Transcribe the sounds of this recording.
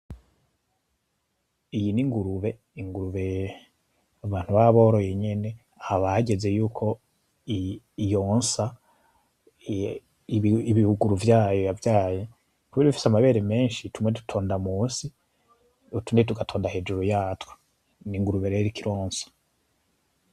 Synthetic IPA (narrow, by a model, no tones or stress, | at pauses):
ijiniŋɡuɾuβe̞ | iŋɡuɾuβe̞ | aβaːnhuβaβo̞ːɾo̞jeɲe̞ne̞ | aβaɟe̞ze̞juːkʰo̞ | jo̞ːnsa | iβihuɡuɾuvjaːjojavjaːje | kuβiiβifi̥samaβe̞ːɾeme̞ːnʃitumwetu̥tʰo̞ːndamuːsi | utundet̬uɡatʰo̞ːndahe̞d͡ʒuɾujaːtwe̥ | niŋɡuɾuβe̞ɾeɾikiɾoːnsḁ